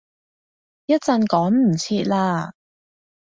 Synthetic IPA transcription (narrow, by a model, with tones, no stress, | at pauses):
jɐ˥t̚t͡sɐ˧nkɔː˨˥ŋm̩˨˩t͡sʰiː˧t̚laː˧